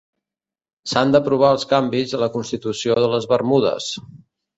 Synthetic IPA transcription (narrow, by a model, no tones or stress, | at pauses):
sand̪əpɾuβ̞aəlˠskambizðələkunst̪it̪usioðələzβərmuðə̰s